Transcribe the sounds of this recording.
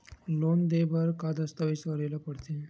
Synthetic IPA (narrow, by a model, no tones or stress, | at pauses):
lond̪ebəɾkad̪əst̪aʋisʋəɾelapəɽt̪ẽ